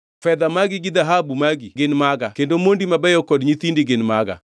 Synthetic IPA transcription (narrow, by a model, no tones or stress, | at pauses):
fɛðamaɡiɡiðaɦabumaɡiɡenmaɣakendomondimabɛjɔkɔdɲiθindiɡenmaɣa̰